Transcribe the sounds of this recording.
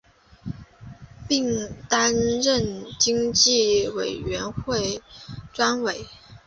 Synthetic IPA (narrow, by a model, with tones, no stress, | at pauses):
pi˥˩ŋt̪a˥nɻə˥˩nt͡ɕi˥ŋt͡ɕi˥˩we˨˩ɪɥɛ˧˥nxwe˥˩ɪʈ͡ʂwa˥nwe˨˩˦ɪ